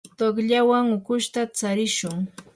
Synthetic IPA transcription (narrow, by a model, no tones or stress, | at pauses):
t̪oχʎawaŋʊkʊʃt̪at͡saɾɪʃʊŋ